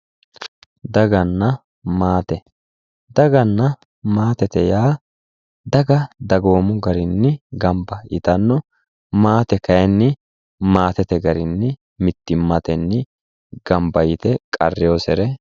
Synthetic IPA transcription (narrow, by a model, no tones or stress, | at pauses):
d̪ɐɡɐnːɐ | maːt̪ɛ | d̪ɐɡɐnːɐ | maːt̪ɛt̪ɛjaː | d̪ɐɡɐd̪ɐɡoːmʊɡɐɾɪnːɪɡɐmbɐɪ̰t̪ɐnːɔ | maːt̪ɛkɐjɛnːɪ | maːt̪ɛt̪ɛɡɐɾɪnːɪ | mɪt̪ːɪmːɐt̪ɛnːɪ | ɡ̥ɐmbɐjɪt̪ɛkʼɐ̰rːɪjoːsɛɾɛ